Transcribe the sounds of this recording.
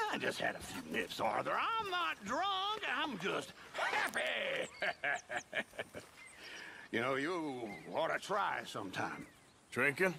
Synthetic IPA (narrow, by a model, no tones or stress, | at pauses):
aɪd͡ʒʌst̚hɨ̰ɾʌnɪfsɑ̰ɹðə˞ãɪ̃mnət̚dɹʌ̃ŋkãɪ̃md͡ʒʌst̚hæpi | jɨnoʊjəɔɾɨtʰɹ̥aɪsʌ̃mtʰã̰ɪ̃m | d̥ʰɹɪ̃ŋkɨ̃n